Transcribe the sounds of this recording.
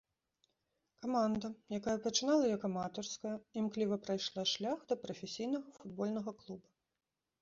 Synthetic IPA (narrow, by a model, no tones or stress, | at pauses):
kamand̪ɐjakajɐpɐt͡ʂɨn̪alˠɐjɔkɐmat̪ɔrskɐjɐimklʲivɐpɾajʂlˠaʂlʲaxd̪ɐpɾɐfʲɛsʲijnɐɣɐfud̪bɔlʲnɐɣɐklˠubɐ